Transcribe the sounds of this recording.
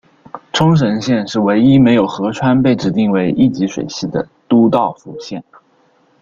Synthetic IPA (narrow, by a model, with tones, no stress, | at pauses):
ʈ͡ʂʰʊ˥ŋʂ̬ə˧˥nɕjɛ˥˧nʂɻ̩˥˩we˧˥ɪi˥me˧˥ɪjo˨˩ʊxɤ˧˥ʈ͡ʂʰwa˥npe˥˩ɪʈ͡ʂɻ̩˧˥t̪i˥˩ŋwe˧˥ɪʔi˥˩t͡ɕi˧˥ʂwḛ˨˩ɪɕi˥˩d̪ə̰˩ | t̪u˥t̪ɑ˥˩ʊfu˧˩ɕjɛ˥˩n